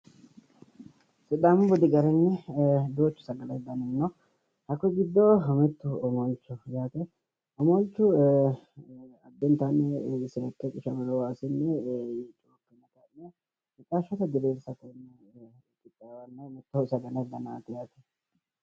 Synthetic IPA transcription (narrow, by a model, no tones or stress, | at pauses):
sɪd̪aːmʊbɔd̪ɪɡɐɾɛnːɛd̪oːt͡ʃːʊ̥sɐɡɐlɐd̪ɐnɪnːɔ | hɐkːɔɡɪd̪ːɔmɛt̪ːʊɔmɔlt͡ʃːɔjaːt̪ɛ | ɔmɔlt͡ʃːʊ | ɐd̪ːɛnt̪anːɛseːkːɛkʼɪʃɐmɐlɔwaːsɪnːɛit͡ʃʼoːkːɛnːɐkɐnːɛ | ɪt͡ʃʼːaʃɔt̪ɐd̪ɪbeːlsɐkɔnːɛ | kʼːɪt̪ʼːɐwanːɐmɛt̪ːɔsɐɡɐnɐd̪ɐnaːt̪ɛjaːt̪ɛ̥